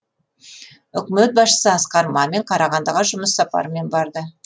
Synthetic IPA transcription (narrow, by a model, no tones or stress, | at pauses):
ʏkʲmet̪̚bɑsʃə̥səɑsqɑɾmɑme̞ɴqʰɑɾɑʁɑnd̪əʁəʒʊməsːɑpɑ̰ɾəme̞nbɑɾd̪ə